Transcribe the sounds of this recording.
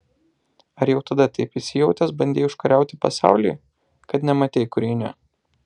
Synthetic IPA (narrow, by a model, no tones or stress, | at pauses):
ɐɾjɛʊt̪ɐd̪ɐt̪ɐɪpɪsʲɪjɛʊt̪ʲɛsbɐnʲd̪ʲeːʊʃkɐɾʲæˑʊt̪ʲɪpɐsɑ̰ˑʊlʲḭː | kɐt̪nʲɛmɐt̪ʲeɪkʊɾʲɛːnʲɛ̰